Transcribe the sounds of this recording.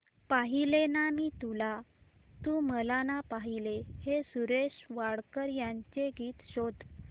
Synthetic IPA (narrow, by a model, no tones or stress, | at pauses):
paɦilenamiːt̪ula | t̪uməlanapaɦilehesuɾeɕʋaɽkəɾjaɲt͡ɕeɡiːt̪ɕod̪